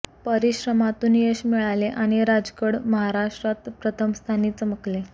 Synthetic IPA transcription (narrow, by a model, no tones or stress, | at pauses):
pəɾiɕɾəmat̪uːnjeɕmiɭaleʔaɽ̃iɾad͡zkəɽməɦaɾaʂʈɾat̪pɾət̪ʰəmst̪ʰaniːt͡səməkle